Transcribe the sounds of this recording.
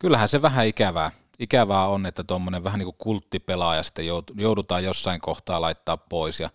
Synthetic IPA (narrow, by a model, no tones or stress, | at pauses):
kylːæhæseʋæɦæikæʋæː | ikæʋæːonet̪ːæt̪omːoneʋæhæniːkukult̪ːipelɑjɑsi̥t̪ːæjoˑut̪ujoˑudut̪ɑːjjosːɑiŋkoht̪ɑːlɑit̪ːɑːppoˑisjɑ